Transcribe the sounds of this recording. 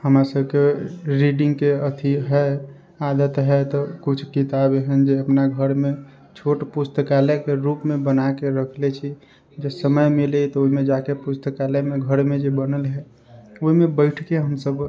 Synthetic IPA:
həmɾasəbkeɾiɖĩŋɡkeət̪ʰiɦɛ | ad̪ət̪ɦɛt̪ɔkut͡ʃʰkit̪abeɦənd͡ʒeəpnaɡʱəɾme | t͡ʃʰoʈpust̪əkalekeɾupmẽbənakeɾəkʰlet͡ʃʰi | d͡ʒesəməjmilet̪ɔoimẽd͡ʒakepust̪əkalemeɡʱəɾmed͡ʒebənəlɦɛ | oimẽbəɪʈʰkeɦəmsəb

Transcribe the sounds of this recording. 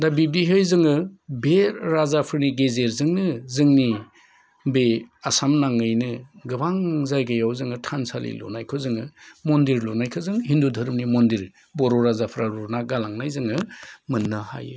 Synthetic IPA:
dabib̚diɦɯjzɯŋɯbeɾːazapʰɯɾniɡezeɾzɯŋnɯzɯŋni | beasamnaŋɯjnɯɡɯbaŋzajɡajawzɯŋɯtʰansalḭlɔ̰najkʰɯzɯŋɯmondiɾlonajkʰɯzɯŋɦindudʱɐɾɯmnimondiɾ | bɔɾɔɾazapʰɯɾaɾuɾnaɡalaŋnajzɯŋɯmɯnːɯha̰jɯ

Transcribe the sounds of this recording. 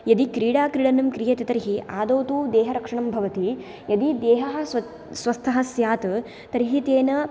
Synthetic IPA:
jɐd̪ikɾiːɽaːkɾiɽɐnɐmkɾijɐt̪ɐt̪ɐɾiɦiaːd̪oːt̪uːd̪eːɦɐɾɐkʂɐɳɐmbʱɐʋɐt̪i | jɐd̪id̪eːɦɐɦɐ̆sɐ | sʋɐst̪ʰɐɦɐsjaːt̪ɨ | t̪ɐɾiɦit̪eːnɐ

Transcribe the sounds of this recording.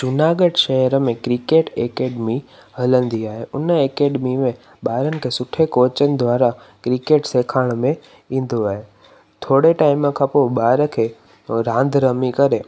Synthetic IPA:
t͡ʃʊnaːɡəɖʃɐɦəɾəmẽkɾikeːʈeːkeːɖmi | hɐlə̃nd̪iaːɦeʔʊnəeːkeːɖmimẽ | ɓaːɾənɪ̆kʰeːsʊʈʰekoːt͡ɕənɪ̆d̪ʱʋaːɾa | kɾikeːʈseːkʰaːɽ̃mẽ | ĩːn̆d̪oaːɦe | t̪ʰoːɽeʈaːɪməkʰãpoɓaːɾə̆kʰeː | ɾãːnd̪ʱɾəmikɐɾeː

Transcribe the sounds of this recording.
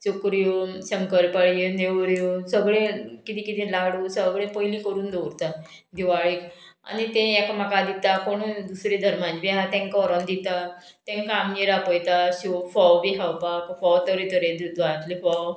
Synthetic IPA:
t͡sukɾjoɕəŋkəɾpəɭjeneʋɾjosəɡɭẽkit̪ĩːkit̪ĩlaɽuːsəɡɭẽpəilĩkəɾuːnd̪owɾt̪a | d̪iʋaɭik | a̰nit̪ẽjakamakad̪it̪akoɽ̃ud̪usɾẽd̪ʱəɾmãt͡ɕbiɦat̪ẽŋkɔɾənd̪it̪a | t̪ẽŋkamjeɾapəjt̪aɕufɔwbiɦawpakfɔwt̪əɾit̪əɾẽd̪d̪ʋat̪lifɔw

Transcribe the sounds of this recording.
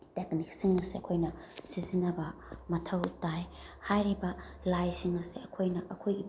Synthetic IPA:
teknik̚siŋɐseɐkʰojnɐ | sizinɐbɐmɐtʰɐwtajhajɾibɐlajsiŋɐseɐkʰojnɐʔɐkʰojɡi

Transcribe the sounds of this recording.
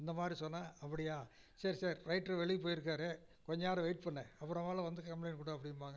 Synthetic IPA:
ɪnd̪ɐmaːd̪ɾisɔnːaːɐpːɐɽɪjaː | sɐɾisɐːɾɾɐɪʈːɾɐʋɛɭɪpoːjɪɾɯk̬ːaːɾe | kɔɲd͡ʒaːɾɯʋɐɪʈ̚pɐɳːɛɐpːɯɾɐ̃ʋaːlɐʋɐnd̪ɯkɐmplɐɪnkuːɽɐɐpːɐɽɪnpaːŋɡɐ

